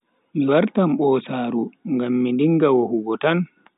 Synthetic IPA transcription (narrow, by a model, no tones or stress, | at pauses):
miwaɾtamɓɔːsaːɾuŋɡamːindiŋɡawɔhuɡɔtan